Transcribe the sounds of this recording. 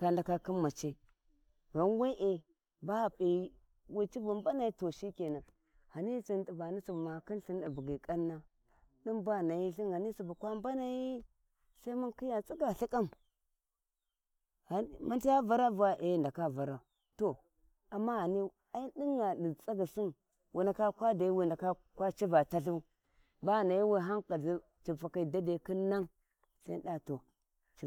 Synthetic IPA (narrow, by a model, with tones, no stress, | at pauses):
ka˨nda˨ka˦ki˦mːa˨t͡ʃe˦ | ɣa˨n˦we˦ʔe˨ | ba˦˨pʼe˨i˦ | wi˦t͡ʃi˦vu˨mba˦na˨ji˦to˨ʃi˦ke˨na˨ | ha˨ni˦si˨ndi˨ba˨ni˦su˨bma˨ki˦nɬi˦na˨bu˨ɡi˨kʼa˦nːa˦ | ɗi˦mba˦˨na˨ji˦ɬi˦na˨ni˦si˨bu˨kʷa˦mba˦na˨ji˦ | sa˦i˦mu˦nki˦ja˨t͡sʼi˦ɡa˨ɬi˦kʼa˦m | ha˨ma˦n˦ti˦a˦va˨ɾa˦va˨ʔe˨˦˨da˨ka˦˨va˨ɾa˨ | to˨ | a˨mːa˦ɣa˨ni˦ | a˦i˦ɗi˦ŋja˨ɗi˨t͡sa˦ɡi˨si˦n | wi˨na˨ka˦kʷa˦da˨i˦wi˨nda˨ka˦kʷa˦t͡ʃi˦va˨ta˦ɬu˦ | ba˦˨na˨ji˦we˦ɦa˦ŋka˨zi˦ | t͡ʃi˨fa˨ka˨da˦da˨ki˦nːa˦ŋ | sa˦i˦ɗa˦to˨ | t͡ʃi˨